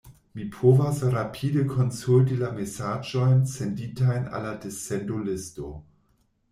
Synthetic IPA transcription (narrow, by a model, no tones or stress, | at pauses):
mipʰovasɾapʰiːdəkʰonsult̬ilamesaːd͡ʒojnsenditajna̰ladesɛndolɪsto